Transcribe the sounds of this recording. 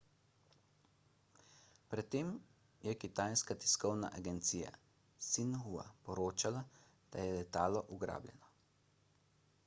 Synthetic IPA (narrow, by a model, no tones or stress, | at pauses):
pɾɛt̪ːeːm | jɛkit̪ajskat̪i̥skɔwna̰ʔaɡɛnt̪siːja̰ | sinɦua̰pɔɾoːt͡ʃala | d̪̥ajɛlɛt̪aːlɔʔuɡɾa̰ːbljɛ̰nɔ